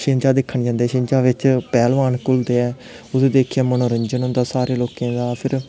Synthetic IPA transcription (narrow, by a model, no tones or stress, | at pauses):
ʃẽɲd͡ʒaːd̪ɪkʰːəɳd͡ʒãːnd̪ɛːʃɪ̃ɲd͡ʒaːʋɪt͡ʃpɛːlʋaːnkʊld̪eːɛː | ʊd̪eːd̪eːkʰːãːmənõːɾəɲd͡ʒənɦʊ̃ːnd̪aːsaːɾeːloːkẽːd̪aːpʰɪɾ